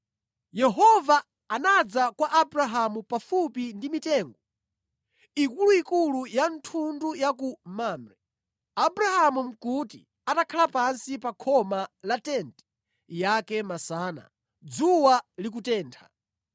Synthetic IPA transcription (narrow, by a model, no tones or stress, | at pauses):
jɛɦɔvaː | nad͡zakwaʔabɾaɦamupafupindimitɛːŋɡɔ | ikuluikulujantʰundujak̬umaːmɾɛ | abɾahamum̩kuti | atakʰalapansipakʰɔmalatɛntɛ̥ | jakɛmasaːna̰ | d͡zuwalik̬utɛːntʰa̰